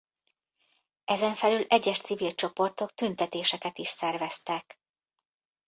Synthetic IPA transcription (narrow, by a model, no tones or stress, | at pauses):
ɛzɛɱfɛlylɛɟːɛʃt̪sivilt͡ʃo̞po̞rt̪o̞k̚t̪ynt̪ɛt̪eːʃɛkɛt̪iʃsɛrvɛst̪ɛk